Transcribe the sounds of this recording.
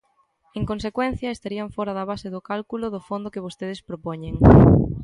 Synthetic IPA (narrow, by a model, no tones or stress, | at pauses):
eŋkõnsekwɛn̟θjɐest̪aɾiɐɱfɔɾɐðɐβaseðʊkalkulʊðʊfond̪ʊkeβost̪eð̞espɾopoɲẽŋ